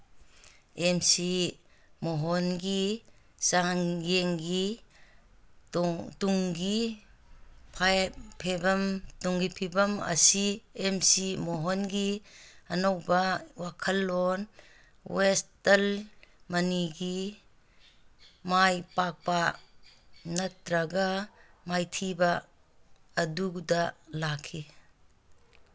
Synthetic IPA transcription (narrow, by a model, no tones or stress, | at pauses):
emsi | moɦɔnɡi | saŋɡeŋɡi | tuŋɡi | pʰajpʰebɐmtuŋɡipʰibɐmɐ̰siemsimɔɦɔnɡiɐnowbɐwakʰɐlːon | westɐlmɐniɡi | majpak̚pɐ | nɐtɾɐɡɐmajtʰibɐː | dukdɐlakʰːi